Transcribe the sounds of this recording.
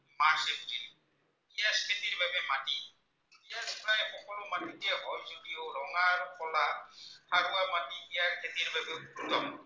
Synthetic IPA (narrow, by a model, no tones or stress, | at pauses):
maʃefkil | iaʃkʰet̪iɾbʱabemaʈi | kiasklaexɔkolomaʈik̪eʔɔjd͡ʒodioɾɔŋaɾkʰɔlahaɾuamatikiaɾkʰet̪iɾbʱabeput̪ɔm